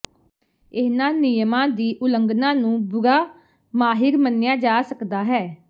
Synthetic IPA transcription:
ɪsnãːnɪjəmãːd̪iːʔʊləŋɡnãːnũːbʊɾaː | maːɦɪɾmənːjaːd͡ʒaːsəkd̪aːɦɛː

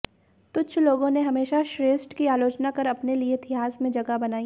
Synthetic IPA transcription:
t̪ʊt͡ʃʰloːɡõneɦɐmeːʃaʃɾeːsʈkiaːloːt͡ʃnakɐɾɐpnelieɪt̪ʰɪɦaːzmẽd͡ʒɐɡabɐnaːi

